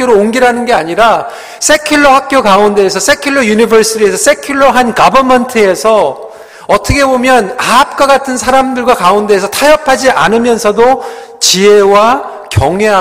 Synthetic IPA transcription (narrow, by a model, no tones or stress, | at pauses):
joɾooŋɡiɾanɯnɡe̞aɲiɾa | sʰe̞kʰiɭːʌhak̚k͈jokaunde̞ːsʰʌsʰekʰjiɭːʌjunibʌɾs͈ʰiɾiesʰʌs͈ʰe̞kʰjuɭːʌɦankabʌmʌntʰɯe̞sʰʌ | ʌt͈ʰʌkʰe̞bomjʌnap̚k͈waɡatʰɯns̬ʰaɾamdɯɭɡwakaunde̞ːsʰʌtʰajʌpʰad͡ʑiʔa̰nɯmjʌnsʰʌdo | t͡ɕie̞wa | kjʌŋɦea